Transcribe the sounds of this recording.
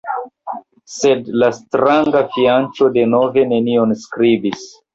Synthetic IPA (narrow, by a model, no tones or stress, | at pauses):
se̞dlastɾaŋɡafiant͡ʃo̞de̞no̞ve̞ne̞nio̞nskɾibis